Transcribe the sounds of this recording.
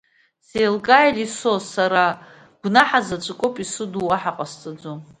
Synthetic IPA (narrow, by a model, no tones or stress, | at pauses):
selkʼajlisosaɾa | ɡ̥ʷnaħazat͡ʃʷʼɨkʷʼopʼisɨduwaħaqʼast͡sʼad͡zom